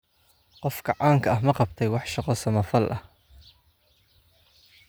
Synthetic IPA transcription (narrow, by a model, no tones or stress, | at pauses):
qɔfkʰɐʕɑːŋkʰɐɐɦmɐqɑbt̪ʰɛjwɑħʃɑqɔsɐmɐfɐlʔɐh